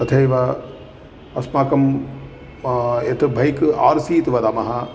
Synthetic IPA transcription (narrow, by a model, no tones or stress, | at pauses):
t̪ɐt̪ʰejʋa | ɐsmaːkɐm | et̪ʰɨbʱɐjka̰ːɾsiːt̪iʋɐd̪aːmɐɦa